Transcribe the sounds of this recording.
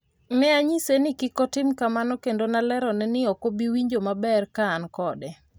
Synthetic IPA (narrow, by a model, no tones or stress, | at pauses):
mɛaɲisenɪkɪkɔtɪmkamanɔkendonalɛɾɔnɛnɪɔkobiwiɲd͡ʒomabɛrkaːnkɔdɛ